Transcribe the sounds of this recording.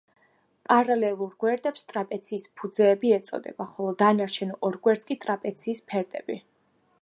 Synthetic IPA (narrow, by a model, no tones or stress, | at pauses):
pʼaɾalɛlˠuɾɡwɛɾd̪ɛpst̪ʼɾapʼɛt̪sʰiːspʰud̪zɛːbiɛt̪sʼɔ̰d̪ɛ̰baχɔlˠɔd̪anaɾt͡ʃʰɛnɔʔɔɾɡwɛɾt̪skʼit̪ʼɾapʼɛt̪sʰiːspʰɛɾd̪ʼɛ̰bi